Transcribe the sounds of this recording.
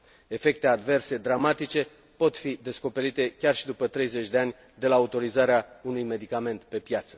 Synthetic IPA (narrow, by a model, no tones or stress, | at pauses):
e̞fe̞k̚t̪ead̪ve̞rse̞d̪ɾamat̪it͡ʃe̞ | po̞t̪fid̪e̞sko̞pe̞ɾit̪e̞kʲarʃid̪upət̪ɾe̞jze̞t͡ʃʲd̪e̞anʲ | d̪e̞laut̪o̞ɾizaɾeaunujme̞d̪ikame̞nt̪pe̞pjat̪sə̥